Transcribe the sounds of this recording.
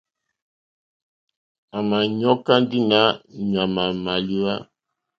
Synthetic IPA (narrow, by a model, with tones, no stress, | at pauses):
a˨ma˨ɲɔ˦ka˦ndi˦na˦ɲa˨ma˨ma˨li˦wa˦